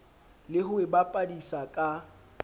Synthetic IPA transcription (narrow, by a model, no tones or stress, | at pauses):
lɪɦʊɪbapʼadisakʼa